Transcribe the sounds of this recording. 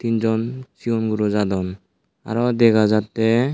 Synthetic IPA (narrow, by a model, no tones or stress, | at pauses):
t̪ind͡ʒɔnsiɔnɡuɾɔd͡ʒadɔn | a̰ɾɔd̪ɛɡazat̚tɛ